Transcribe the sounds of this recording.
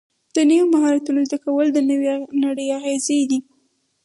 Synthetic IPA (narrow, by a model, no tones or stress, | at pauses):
d̪̥ənəwomaɦɑɾat̪unozd̪akawəld̪ənəwenaɽəjaɣezed̪i